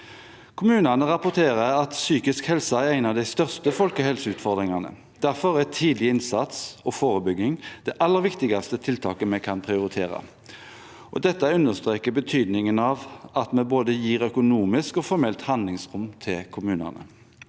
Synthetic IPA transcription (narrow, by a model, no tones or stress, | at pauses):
kʰʊmʉːnənəʁɑpʊt̪ʰeːʁəʁɑt̪syːkɪskhɛlsɑæɾʁæɪnɑʋd̪æɪst̪œʁst̪əfɔlkəhɛlsəʉːt̪fɔʁd̪ʁɪŋɑnə̰ | d̪̥æʁfɔʁæt̪ʰiːd̪lɪɪnsɑt̪sɔfoːɾəbʏɡːɪŋd̪̥ɛʔɑlːəʁʋɪkt̪ɪɡɑst̪ət̪ʰɪlt̪ʰɑːkəmɛɪkʰɑnpʰʁɪʊɾɪt̪ʰeːʁɑ̰ | ʔɔ̰d̪ɛt̪ːəʉnəst̪ʁeːkəbət̪ʰyːd̪nɪŋənɑʋɑt̪mɛboːd̪əjiːʁœkʊnuːmɪskɔfɔɾmɛlt̪hɑnd̪lɪŋsʁʊmt̪ʰɪlkʰʊmʉːnə̰nə̰